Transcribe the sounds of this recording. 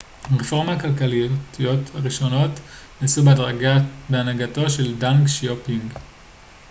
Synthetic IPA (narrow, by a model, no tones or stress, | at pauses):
ʁefo̞ʁmaakalkalijotijo̞thaʁiʃo̞no̞tnasubeadʁaɡabeanaɡato̞ʃe̞ldaŋkʃopiŋɡ